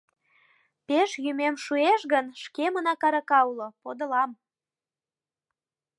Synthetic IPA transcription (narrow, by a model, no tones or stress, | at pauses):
peʃjymemʃueʃɣənʃkemənɑkɑɾɑkɑulopod̪ə̆lɑm